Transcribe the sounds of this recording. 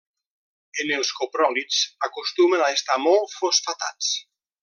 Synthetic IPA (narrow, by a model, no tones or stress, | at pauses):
enelˠskopɾɔlit͡sakust̪umenaest̪amɔlˠfosfat̪a̰t͡s